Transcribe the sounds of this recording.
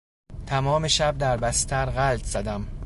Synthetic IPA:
t̪ʰæmɒːmeʃæb̚d̪æɾbæst̪ʰæɾɣælt̪ʰz̥æd̪æm

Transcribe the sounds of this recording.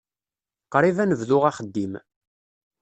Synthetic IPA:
qɾˤivænəvðʊʁaχəd̪ːim

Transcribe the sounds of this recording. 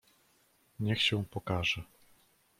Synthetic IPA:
ɲɛxɕɛ̃pɔkaʐɛ

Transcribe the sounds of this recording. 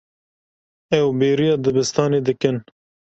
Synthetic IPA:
ɛwbeːɾijɑːd̪ɨbɨst̪ɑːneːd̪ɨkɨn

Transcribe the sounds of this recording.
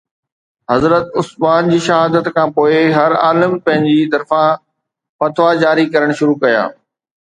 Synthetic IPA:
ɦɐzɾət̪ʊsmaːnd͡ʑiːʃɐɦaːd̪ət̪kʰãːpoːɪɦɐɾa̰ːləmpɐ̃ɦɪ̃ɲd͡ʑit̪ɐɾfã | pɐt̪ʰʋad͡ʑaːɾikɐɾəɽ̃ʃʊɾukɐja̰ː

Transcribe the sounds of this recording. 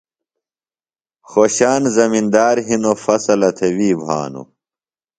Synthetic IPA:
xoːɕaːnzɐmind̪aːɾɦinofɐsɐlɐt̪ʰewiːbʱa̰ːnṵ

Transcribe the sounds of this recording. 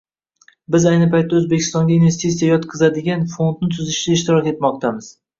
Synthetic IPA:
bɪzajnɪpajt̪ʰːaɵzbe̞kʲʰɪst̪ɒŋɡʲainve̞st̪it̪sijajɒt̪qʰɨzad̪ɪɡʲanfo̞nd̪̚nɪt̪ʰʊzɪʃd̪aɪʃt̪ɪɾɒkʲe̞t̪mɒq̚t̪ʰamɪz̥

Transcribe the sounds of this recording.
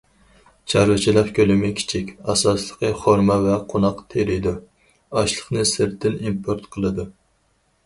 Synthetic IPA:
t͡ʃʰɑɾwɨt͡ʃʰilˠɑχkʲʰølɪmɪkʲʰi̥t͡ʃʰikʲɑsɑslˠəqəχoɾmɑvɛqʰonɑqt̪ʰeɾɪjd̪u | ɑʃlˠəχnɨsɨɾt̪ʰːɪnimpʰoɾt̪qʰəlˠɨd̪u

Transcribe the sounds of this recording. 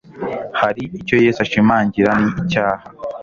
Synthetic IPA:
haɾiico̞jeːsaʃimaːɲɟiɾaniːcaːha

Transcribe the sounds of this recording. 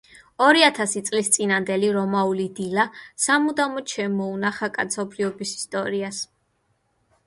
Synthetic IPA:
ɔɾiat̪ʰasit̪sʼlist̪sʼinand̪ɛliɾɔmaulid̪ilasamud̪amɔt͡ʃʰɛmɔunaχakʼat̪sʰɔbɾiɔbisi̥st̪ʼɔɾias

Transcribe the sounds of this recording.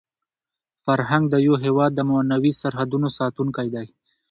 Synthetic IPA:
faɾɦaŋɡ̚d̪əjoɦewɑd̪ːəmanawisaɾhad̪unosɑt̪unkajd̪aj

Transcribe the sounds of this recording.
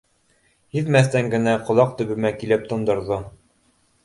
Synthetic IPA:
hiðmæθt̪æŋɡɘ̆næqŏlˠɑq̚t̪ɵ̆βɘ̆mækilɘp̚t̪ŏnd̪ŏɾðo

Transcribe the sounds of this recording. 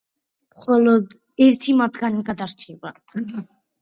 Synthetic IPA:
mχɔlɔd̪ | ɛɾt̪ʰimat̪ʰɡaniɡad̪aɾt͡ʃʰɛba

